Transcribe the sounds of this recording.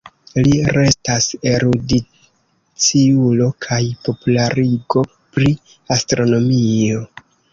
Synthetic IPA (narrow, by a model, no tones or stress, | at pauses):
liɾe̞staseɾudi | t͡siulo̞kʰajpo̞pulaɾiɡo̞ | pɾi | astɾo̞no̞mio̞